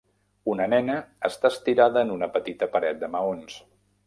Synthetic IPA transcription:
unənɛnəːst̪aəst̪iɾaðəːnunəpət̪it̪əpəɾɛt̪̚d̪əməons

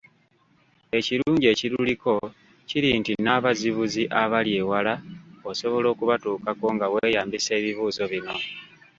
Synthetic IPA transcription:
e̞ciɾuːɲɟe̞ːciɾuliko̞ | ciɾintinaːβaziβuziʔaβalje̞ːwalaoso̞βo̞lo̞ːkuβatuːkako̞ŋɡawe̞ːjaːmbise̞ːβiβuːzo̞βino̞

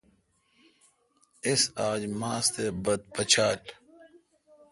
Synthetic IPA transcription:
ɪsaːd͡ʑmãːst̪ebɐd̪̚pɐt͡ɕʰaːʈ

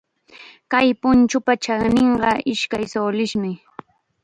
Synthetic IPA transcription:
kajpʊnt͡ʃʊpat͡ʃanɪɴɢɑɪʃkajsoːlɪʃmɪ

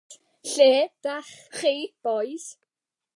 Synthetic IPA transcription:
ɬeːd̥aχχeːb̥ɔjs

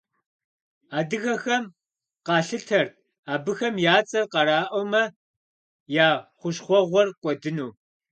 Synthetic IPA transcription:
aːdɨɣɐxɐm | qɑːɬɨtʰɐrt | aːbɨxɐmjaːt͡sʼɐrqɑɾaːʔowmɐ | jaːχʷʊɕχʷɔʁʷɔrqʷʼɔdɨnuː

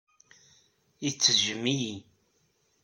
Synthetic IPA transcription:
it͡sːəʒəmːiji

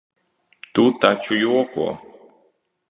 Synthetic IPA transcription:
t̪ut̪at͡ʃʊjɔkɔ̰

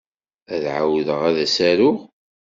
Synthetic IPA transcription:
æðʕa̰wðəʁæðæsæɾʊʁ

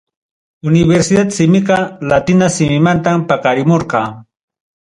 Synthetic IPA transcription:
ʊnɪbeɾsɪd̪at̪sɪmɪqɑlat̪ɪnasɪmɪmant̪ampɑkɑɾɪmoɾqɑː

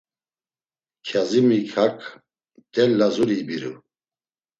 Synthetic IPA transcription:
kʰazimikʰakʰ | d̪̥ɛlːazuɾibiɾṵ

